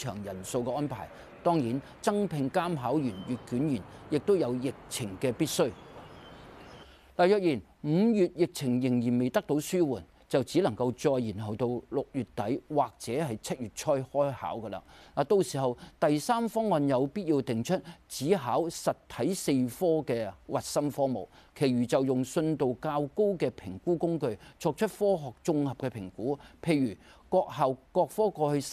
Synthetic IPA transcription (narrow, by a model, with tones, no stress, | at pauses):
t͡ʃʰœː˨˩ŋjɐ˨˩nso˧wkɛː˧ʔɔː˥npʰa̰ː˨˩j | t̪ɔː˥ŋjiː˨˥n | t͡sɐ˥ŋpʰɪ˧ŋkaː˥mɦaː˨˥wjyː˨˩njyː˨t̚kyː˨˥njyː˨˩njɪ˨k̚t̪o˥wjɐ˨˧wjɪ˨k̚t͡sʰɪ˨˩ŋkɛː˧piː˥t̚sɵ˥ɥ | la˨˩jœː˨k̚jiː˨˩n | m̩˨˧jyː˨t̚jɪ˨k̚t͡sʰɪ˨˩ŋjɪ˨˩ŋjiː˨˩nme˨jt̪ɐ˥k̚t̪o˨˥wsyː˥wuː˨˩n | t͡sɐ˨wt͡siː˨˥lɐ˨˩ŋkɐ˧wt͡sɔː˧jjiː˨˩nɦɐ˨wt̪o˧wlʊ˨k̚jyː˨˩tt̪ːɐ˨˥jwaː˨k̚t͡sɛː˨˥hɐ˨jt͡sʰɐ˥t̚jyː˨t̚t͡ʃʰɔː˥jhɔː˥jha̰ː˨˥wkɐ˧la̰˧˥naː˨t̪o˧wsiː˨˩ɦɐ˨wt̪ɐ˨jsaː˥mfɔː˥ŋːɔː˧njɐ˨˧wpiː˥t̚jiː˧wt̪ɪ˨ŋt͡ʃʰɵ˥t̚t͡siː˨˥ɦaː˨˥wsɐ˨t̚t̪ʰɐ˨˥jse˧jfɔː˥kɛː˧wɐ˨t̚sɐ˥mfɔː˥mo̰˨˩wkʰe˨˩jɥyː˨˩t͡sɐ˨wjʊ˨ŋsɵ˧nt̪o˨wkaː˧wko˥wkɛː˧pʰɪ˨˩ŋkuː˥kʊ˥ŋkɵ˧ɥt͡sʰɔː˧k̚t͡ʃʰɵ˥t̚fɔː˥ɦɔː˨k̚t͡sʊ˧ŋhɐ˨p̚kɛː˧pʰɪ˨˩ŋkuː˨˥pʰe˨˧jɥyː˨˩kɔː˧k̚hɐ˨wkɔː˧k̚fɔː˥kɔː˧hɵ˧